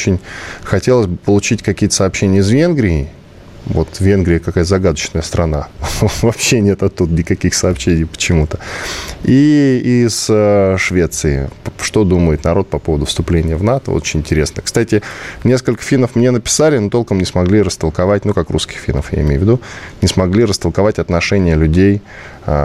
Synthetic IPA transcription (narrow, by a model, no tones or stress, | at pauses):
t͡ɕɪnʲxɐtʲelˠəsʲbɨpəlˠʊt͡ɕitʲkɐkʲijət̪əsəɐːpɕːenʲɪjəs̬vʲe̞nɡɾʲɪɪ | vo̞t̪vʲe̞nɡɾʲɪjəkɐkajəzɐɡad̪ət͡ɕnəjəst̪ɾʔɐnavɐpɕe̞nʲe̞t̪ɐt̪ːud̪ənʲɪkɐkʲixsəːpɕːenʲɪjpə̥t͡ɕɪmut̪ə | iisəʂvʲe̞t̪sɨɪ̰ʂt̪o̞d̪uməjɪt̪nɐɾo̞t̪̚pɐpo̞vəd̪ʊfst̪ʊplʲenʲɪjəvnat̪ə̰o̰t͡ɕɪnʲɪ̃nʲtʲɪɾʲe̞snəkst̪atʲɪnʲe̞skəlʲkə̥fʲinəfmnʲenəpʲɪ̥salʲɪnut̪o̞lˠkəmnʲɪsmɐɡlʲiɾəst̪əlˠkɐvatʲnukakɾṵskʲɪ̥xfʲḭnə̰fja̰ɪmʲejʊvʲɪd̪unʲɪsmɐɡlʲiɾəst̪əlˠkɐvatʲɐt̪nɐʂɛnʲɪjəlʲʉdʲej